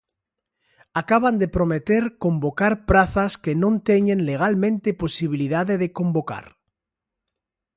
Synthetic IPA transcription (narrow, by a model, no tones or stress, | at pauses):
akaβand̪e̞pɾomet̪eɾko̞mbo̞kaɾpɾaθaskenõnt̪eɲẽnleɣ̞almẽnt̪epo̞siβ̞iliðaðeðeko̞mbo̞ka̰ɾ